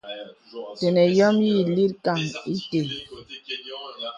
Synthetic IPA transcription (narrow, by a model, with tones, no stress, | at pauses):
tɛ˨nɛ˨jɔ˦mji˦˨li˦ɾka˦˨ŋi˦te˨